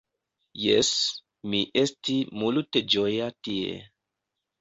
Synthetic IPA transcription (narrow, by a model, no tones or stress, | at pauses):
jes | miʔestimulted͡ʒojatiḛ